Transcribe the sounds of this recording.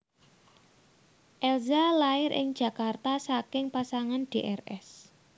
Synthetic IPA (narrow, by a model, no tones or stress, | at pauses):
ʔɛlzalaɪɾʔɪ̰ŋd̥d͡ʒ̥ä̤kart̪asakɪŋpasaŋanɖ̥eʔɛrɛs